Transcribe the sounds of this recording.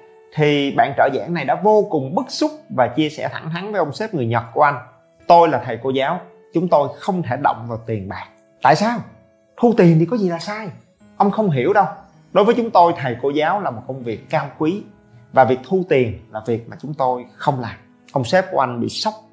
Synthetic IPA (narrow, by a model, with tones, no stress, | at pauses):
t̪ʰi˨˩ɓa̰ː˧˨nt͡ɕəː˧˩za̰ː˧˥ŋna˨˩jɗa̰ː˧˥vo˧kʊ˨˩ŋ͡mɓɨ˦˥k̚sʊ˦˥k͡p̚vaː˨˩t͡ɕi˧əsɛ̰˧˩t̪ʰa˧˩ŋt̪ʰa˨˦ŋvəː˨˦jʔə˧wŋ͡msɛ˦˥p̚ŋɨ˨˩əjɲə˨˩t̚ku˧˩əʔa˧jŋ̟ | t̪o˧jlaː˨˩t̪ʰə˨˩jko˧zaː˨˦w | t͡ɕʊ˨˦ŋ͡mt̪o˧jxə˧wŋ͡mt̪ʰe˧˩ɗə̰˧˨wŋ͡mvaː˨˩wt̪i˨˩ənɓa̰ː˨˩k̚ | t̪a̰ː˧˨jsaː˧w | t̪ʰu˧t̪i˨˩ənt̪i˨˩kɔ˨˦zi˨˩laː˨˩saː˧j | ʔə˧wŋ͡mxə˧wŋ͡mɦi˧˩əwɗə˧w | ɗo˨˦jvəː˨˦jt͡ɕʊ˨˦ŋ͡mt̪o˧jt̪ʰə˨˩jko˧zaː˨˦wlaː˨˩mo˨˩t̚kə˧wŋ͡mvi˨˩əkːaː˧wkwi˨˦ | vaː˨˩vi˨˩ək̚t̪ʰu˧t̪i˨˩ənlaː˨˩vi˨˩ək̚maː˨˩t͡ɕʊ˨˦ŋ͡mt̪o˧jxə˧wŋ͡mlaː˨˩m | ʔə˧wŋ͡msɛ˦˥p̚ku˧˩əʔa˧ŋ̟ɓḭ˧˨sə˦˥wk͡p̚